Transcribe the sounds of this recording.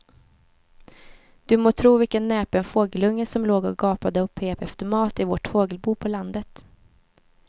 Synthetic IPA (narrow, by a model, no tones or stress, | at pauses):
d̪̥ɵmoːt̪ʰɾuːvɪlkənːɛːpənfoːɡəlɵŋːəsɔmloːɡɔɡɑːpad̪əɔpʰːeːpɛft̪əɾmɑːt̪ɪvoʈfoːɡəlbuːpʰɔland̪ət̪